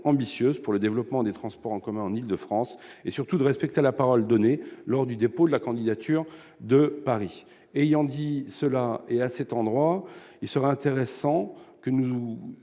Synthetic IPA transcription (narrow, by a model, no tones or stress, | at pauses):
ɑ̃bisjøzpuʁləd̪evlɔpmɑ̃d̪et̪χɑ̃spɔʁɑ̃kɔmɛ̃ɑ̃nild̪əfχɑ̃sesyʁt̪ud̪əʁɛspɛk̚t̪elapaʁɔld̪ɔnelɔʁd̪yd̪epod̪əlakɑ̃d̪id̪at̪ʰyʁ | d̪əpaʁi | ejɑ̃d̪isəlaeasɛt̪ɑ̃d̪ʁwailsəʁɛɛ̃t̪eʁesɑ̃kənu